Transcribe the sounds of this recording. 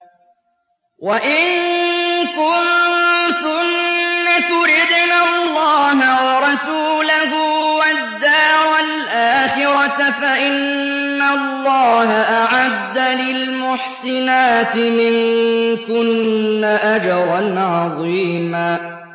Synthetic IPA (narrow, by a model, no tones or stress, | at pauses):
waʔɪnŋ | kʊnt̪ʊnːat̪ʊɾɪd̪naːlˤːɑːɦawɑɾˤɑsuːlahʊwad̪ːaːɾˤalʔaːxɪɾɑt̪faʔɪnː | allːɑːɦaʔaʕad̪ːalɪlmʊħsɪnaːt̪ɪmɪŋkʊnːaʔad͡ʒɑɾˤɑnʕɑðˤiːmaː